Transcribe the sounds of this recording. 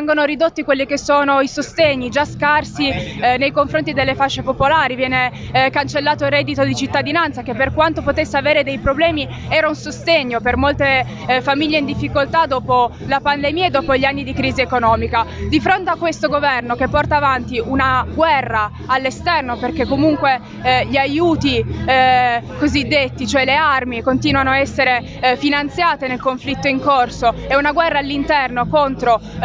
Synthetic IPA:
vɛŋɡonoɾid̪ot̪ːikwelːikesːoːnoisost̪eɲːid͡ʒaskarsinejkoɱfɾont̪id̪elːefat͡ʃːepopolaːɾivjɛːne | kant͡ʃelːaːt̪orɛd̪it̪od̪it͡ʃit̪ːad̪inant̪sak̟epːerkwant̪opot̪esːeaveːɾed̪ejpɾoblɛːmi | ɛːɾaunsost̪eɲːopermolt̪e | famiʎːeind̪ifːikolt̪ad̪ɔːpo | lapand̪emiːaed̪ːɔːpoʎːianːid̪ikɾiːziekonɔːmikad̪ifɾont̪eakːwest̪oɡovɛrnokepːɔrt̪aːvant̪iʔunaɡwɛrːaː | lːest̪ɛrnoperk̟ekːomuŋkwe | ʎiajuːt̪i | kozid̪ːet̪ːit͡ʃoɛlearmikont̪iːnwanoaɛsːeɾe | finant̪sjaːt̪enelkoɱflit̪ːoiŋkorsoɛunaɡwɛrːaːlːint̪ɛrnokont̪ɾo

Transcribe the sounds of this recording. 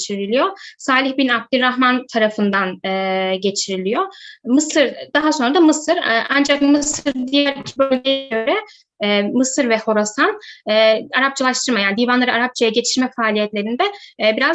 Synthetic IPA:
t͡ʃʰiɾilʲijosaːlʲiçbinab̚d̪ilɾaxmant̪ʰaɾafɯnd̪anɯːɟe̞t͡ʃʰiɾilʲijomɯsɯɾd̪̥aɦasonɾad̪amɯsɯɾʔand͡ʒakmɯsɯɾd̪ijɛæɾicʰːbølʲɟejɛɟøɾɛ | ɛːmɯsɯɾvɛho̞ɾasanɛːaɾap̚t͡ʃʰalˠaʃt̪ʰɯɾmajaːnid̪iːvanlˠaɾɯaɾap̚t͡ʃʰajaɟe̞t͡ʃʰiɾmɛfaːlʲijɛt̪lʲe̞ɾind̪ɛbiɾaz

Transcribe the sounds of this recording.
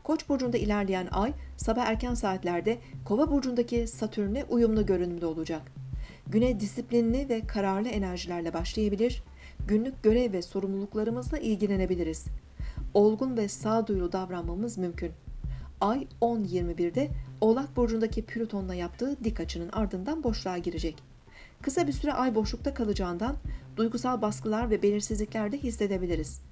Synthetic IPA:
kʰo̞t͡ʃboɾd͡ʒund̪ailʲæɾlʲijænʔajsabaxæɾcænsaːt̪lʲæɾd̪ɛkʰo̞vabuɾd͡ʒund̪acʰisat̪ʰyɾnʲɛʔujumlˠuɟø̞ɾynymd̪ʲɛo̞lˠud͡ʒak | ɟynɛjd̪isiplʲinlʲivɛkʰaɾaɾlˠɯe̞næɾʒilʲæɾlʲɛbaʃlˠajabilʲiɾ̥ | ɟynlʲyc̚ɟø̞ɾɛvvɛso̞ɾumlˠulˠuklˠaɾɯmɯzd̪ˠaʔilʲɟilʲe̞ne̞bilʲiɾiz̥ | o̞lˠɡunvɛsaːd̪ujlˠud̪avɾanmamɯzmymcʰynajo̞njiɾmibiɾd̪ɛo̞lˠat̪̚bo̞d͡ʒund̪acʰipʰylʲut̪ʰo̞nlˠajapt̪ʰɯːd̪ikʰːat͡ʃʰɯnɯnʔaɾd̪ɯnd̪anbo̞ʃlˠaːɟiɾed͡ʒɛc | kʰɯsabisyɾɛʔajbo̞ʃlˠuk̚t̪ʰakʰalˠɯd͡ʒaːɯnd̪and̪ujɡusalˠbaskɯlˠaɾvɛbe̞lʲiɾsizlʲicʲlʲæɾd̪ɛɦisːe̞d̪e̞bilʲiɾiz̥

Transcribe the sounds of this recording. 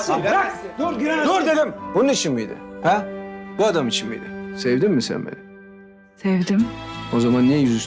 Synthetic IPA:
zoɾd̪ed̪ɪmbunuit͡ʃʰinmiid̪ɪ̰hæb̥uad̪amit͡ʃʰinmḭjd̪ɪ̰sevd̪ɪmːɪsɛ̰nbḛnɪ | sevd̪ɪmozamanːɛjyzys

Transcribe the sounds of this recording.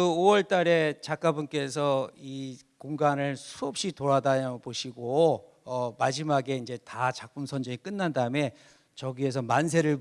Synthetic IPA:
ɯowʌɭt͈aɾe̞t͡ɕak͈abunk͈e̞sʰʌi | koŋɡanɯɭsʰuʌp̚ɕ͈itoɾadaɲapoɕʰiɡo | ʌmad͡ʑimaɡe̞ind͡ʑe̞tat͡ɕak̚p͈unsʰʌnd͡ʑeŋik͈ɯnːandaɯme̞ | t͡ɕʌɡie̞s̬ʰʌmans̬ʰe̞ɾɯɭ

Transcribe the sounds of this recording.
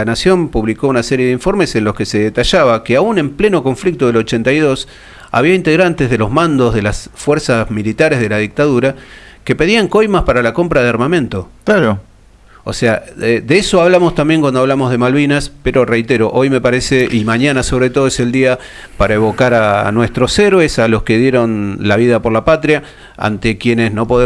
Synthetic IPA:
anasjo̞mpuβliko̞unaseɾjeðeiɱfo̞ɾmesenlo̞ske̞se̞ðet̪aʃaβakeaune̞mple̞no̞ko̞ɱflik̚t̪oðelo̞t͡ʃe̞nt̪ajðo̞s | a̰βiaint̪eɣɾant̪e̞zð̞elo̞zmãnd̪o̞zðelasfweɾsasmilit̪aɾezð̞e̞laðik̚t̪aðuɾake̞pe̞ðiaŋko̞jmaspaɾalako̞mpɾað̞eaɾmamẽnt̪o̞klaɾo | osead̪eeso̞aβlamo̞st̪ambje̞ŋkwand̪oaβlamo̞ɦðe̞malβinaspeɾo̞re̞jt̪eɾo̞ʔo̞jme̞paɾeseʔimaɲanaso̞β̞ɾe̞t̪o̞ðoeseld̪ia | paɾaeβo̞kaɾanwe̞st̪ɾo̞seɾwesalo̞ske̞ðje̞ɾo̞nlaβiðapo̞ɾlapat̪ɾja | a̰nt̪ekje̞nesno̞po̞ðe

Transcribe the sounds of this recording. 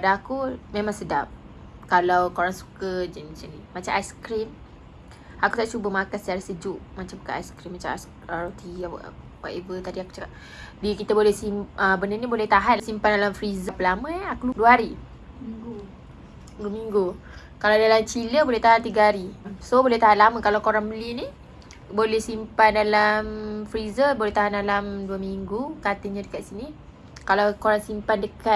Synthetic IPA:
padaakumẽmãŋsədap̚ | kalawkoɾaŋsu̥kəd͡ʒəmat͡ʃaŋnimat͡ʃamajsə̥kɾim | ʔakut̪aʔt͡ʃubəmakasət͡ʃaɾasəd͡ʒuʔmat͡ʃambəkaʔajsə̥kɾimːat͡ʃam | aɾat̪iw̰ | wa̰t̪evət̪adiaku̥t͡ʃakaʔ | dikit̪əbolɛhsiməbənənibolɛht̪aɦansimpandalamfɾizapəlamə̃akuluduəɦaɾi | u | duəmiŋɡu | kalawdalamt͡ʃiləbolɛht̪aɦant̪iɡəɦaɾimsobolɛht̪aɦanlamə̃kalawkoɾaŋbəlini | bolɛhsimpandalamfɾizəbolɛht̪aɦandalamduəmiŋɡukat̪əɲãdəkaʔ̪sini | kalawkoɾaŋsimpandəkat̪̚

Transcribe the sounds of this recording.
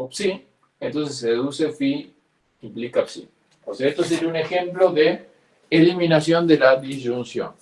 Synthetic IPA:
psi | ent̪o̞ns̬eseðusefi | implikapsḭ | oseaest̪os̬eɾunexemploðeː | limĩnasjo̞nd̪elaðiʒunsjo̰n

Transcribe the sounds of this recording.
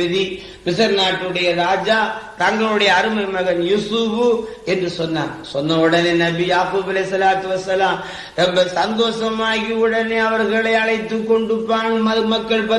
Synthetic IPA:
ɪði | mɪsɐɾnaːʈːɯɽɐjɐɾaːd͡ʒaːt̪ɐŋɡɐɭɯɽɐjɐːɾɯmɐɪmɐɣɐnjʊsubɯ | ɛndrɯsɔnːa̰ːnsɔnːɐʊɽɐneːnɐbijaːkuːbɐlɐsɐlaːt̪ɯʋɐsːɐlaːm | ɾɛmbɐsɐnd̪oːsɐmaːɣiʊɽɐneːɐʋɐɾɣɐɭɐɪɐɭɐɪt̪ːɯkːɔɳɖɯpːaːnmɐmɐkːɐɭpɐ

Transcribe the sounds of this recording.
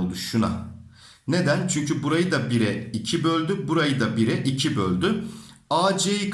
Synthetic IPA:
lˠd̪uʃuna̰ | ne̞d̪ænt͡ʃʰyɲcybuɾajɯd̪abiɾɛicʰibø̞lʲd̪ybuɾajɯd̪abiɾɛʔicʰibølʲd̪y | aːd͡ʒejikʰ

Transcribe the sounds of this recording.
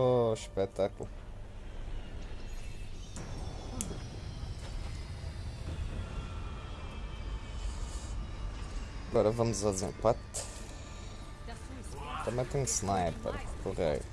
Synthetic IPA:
ʃpɛt̪akul | ɐɡɔɾɐvɐmʊzazzḛ̃pat̪ | t̪ɐ̃mẽt̪ẽj̃snajpɐ̰ɾɐʁekoʁḛɾ

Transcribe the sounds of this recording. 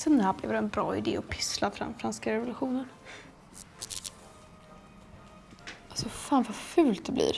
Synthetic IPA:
sənd̪əhæːblɛ̰vd̪ɛnbɾɑ̰ːɪd̪ḛːɔpʰɪ̥slafɾa̰fɾanskaɾɛvʊlɵɧuːnən | ʔasɔfaːnvafʉ̟ːlt̪̚d̪ɛblḭːɾ

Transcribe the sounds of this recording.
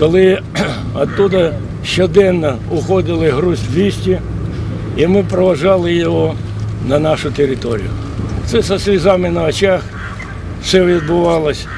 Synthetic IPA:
kɔlˠɪ | ɐt̪ːud̪ɐ | ʃt͡ʃɔd̪ɛnːɐ | ʊxɔd̪ɪlˠɪɦɾusʲwʋʲisʲtʲi | imɪpɾɔʋɐʒɑlˠɪjɔɦɔ | nɐnɑʃʊt̪eɾʲɪt̪ɔɾʲḭjʊ̰ | t̪sɛsɐsʲlʲizɑmɪnɐɐt͡ʃɑx | sɛʋʲid̪̚bʊʋɑlˠɐsʲ

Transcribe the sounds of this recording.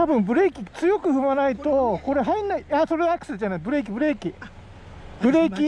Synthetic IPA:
t̪abɯ̟̃mbɯ̟ɾe̞ːkʲit͡sɨjo̞kɯ̟ɸɯ̟manait̪o̞ko̞ɾe̞ɦainːaiasoɾeakɯ̟̥sed͡ʑanaibɯɾe̞ːk̬ʲibɯ̟ɾe̞ːkʲi | bɯ̟ɾe̞ːkʲi

